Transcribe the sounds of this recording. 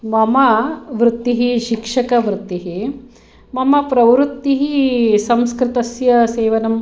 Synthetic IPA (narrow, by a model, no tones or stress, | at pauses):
mɐmɐʋɾut̪ːiɦiʃikʂɐkɐʋɾut̪ːiɦi | mɐmɐpɾɐʋɾut̪ːiɦisɐmskɾɪt̪ɐsjɐseːʋɐnɐm